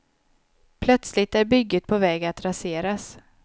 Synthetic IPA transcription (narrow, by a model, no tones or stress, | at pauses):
pʰlœt̪slɪt̪æɾbʏɡːət̪̚pʰɔvɛːɡat̪ɾaseːɾas